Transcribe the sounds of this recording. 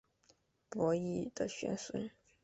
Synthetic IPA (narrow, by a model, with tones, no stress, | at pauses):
pwɔ˧˥i˥˩d̪̥ə˨˩ɕɥɛ̰˧˥nswə̰˧˥n